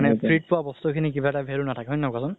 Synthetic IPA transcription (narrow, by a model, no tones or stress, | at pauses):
nɛpʰɹit̚pʊwabɔst̪ukʰinik̬ibatabʱelunatʰakɛɦɔnakasʊn